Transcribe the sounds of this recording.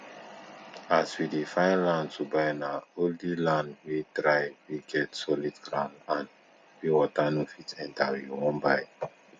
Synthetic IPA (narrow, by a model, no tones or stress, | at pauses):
aswidifãɪ̃nlãntubaɪnaoldilãndwitɾaɪwiɡɛtsɔlidɡɹã̰ʊ̃ndãn | wiwɔtanofitɛ̃ntawiwɔ̃mbaɪ